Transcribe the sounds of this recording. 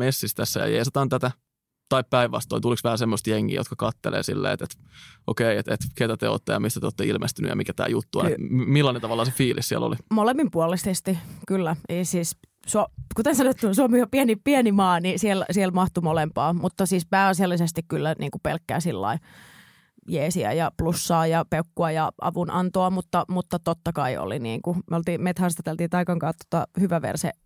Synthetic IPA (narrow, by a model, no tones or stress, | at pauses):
mesːist̪æsːæjɑ̰jḛisɑt̪ɑːnt̪æt̪æ | t̪ɑippæiʋʋɑ̰st̪o̰int̪uliksʋæhæsemːost̪jeŋːḭːjo̰t̪kɑkɑt̪ːḛlḛːsḭlːḛːt̪et̪ | ʔo̰keiet̪et̪ket̪æt̪eo̰t̪ːejɑmist̪æt̪eoːt̪ːeilmʔest̪yny̰jɑ̰mikæt̪æ̰ːjut̪ːuɑ̰nmilːɑnent̪ɑʋɑlːɑsefiːlʔissiælo̰limolemːimpuɑlːˑisest̪ikylːæeisiːs | suokut̪ensɑnoet̪ːusuomiopiænipiænimɑːnisielsielmɑht̪umolempɑːmut̪ːɑsiːspæːɑsjɑlːisest̪ikkylːæniːŋkupḛlkːæ̰ːsilːɑ̰i | jeːsiæ̰jɑplusːɑːjɑpeukːuɑjɑʔɑ̰ʋunʔɑnt̪oɑmut̪ːɑmut̪ːɑt̪ot̪ːɑkɑio̰lḭnḭːŋkumeolt̪iːmmet̪hɑrst̪ɑt̪elt̪iːt̪ɑikɑŋkɑːt̪ːo̥t̪ɑ̰hyʋæʋḛrsḛ